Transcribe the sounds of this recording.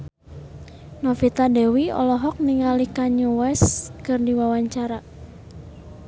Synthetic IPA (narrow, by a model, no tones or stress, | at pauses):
nɔfit̪adɛwiɔ̰lɔɦɔk̚niŋalikaɲuwɛskɨrdiwawaɲt͡ʃaɾa